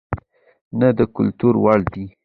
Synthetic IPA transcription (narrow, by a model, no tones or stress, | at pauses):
nad̪əkʊlt̪uɾwɑɽd̪i